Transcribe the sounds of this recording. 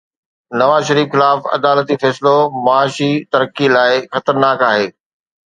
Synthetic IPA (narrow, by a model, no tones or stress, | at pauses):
nɐʋaːzʃɐɾiːfxɪlaːfɐ̰d̪aːlət̪ifɛːsɪlomɐaːʃit̪ɐɾəkilaːɪxɐt̪əɾnaːkaːɦeː